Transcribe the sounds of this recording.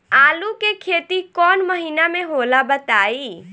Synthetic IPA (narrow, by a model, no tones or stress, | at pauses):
aːlukekʰet̪ikɔnməɦinameɦolabət̪ai